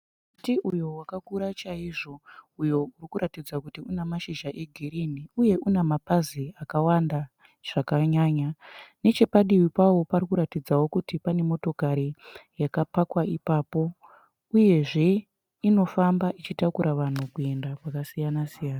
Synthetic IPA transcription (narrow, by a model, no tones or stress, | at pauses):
utiʔujo̞wakakuɾat͡ʃaiʐo̞ujourikuɾatid͡zakutiunemaʃiʒaʔe̞ɡʱiɾiniuje̞ʔunemapaziakawanda | ʐ̥akaɲaːɲane̞t͡ʃe̞paɗiwipawo̞parikuɾatid͡zawo̞kutipane̞mo̞to̞kaɾijakapakwaipaːpo̞ | uje̞ʐe̞ | ino̞fambaʔit͡ʃitakuɾaʋan̤ukue̞ndakwakasijanasijaːna